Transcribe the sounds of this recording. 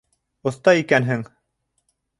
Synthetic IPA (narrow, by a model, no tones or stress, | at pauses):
ŏθt̪ɑikænɦɘŋ